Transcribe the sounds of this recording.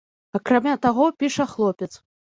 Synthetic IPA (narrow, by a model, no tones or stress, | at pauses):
ɐkɾamʲat̪aɣɔpʲiʂɐxlˠɔpʲɛt̪s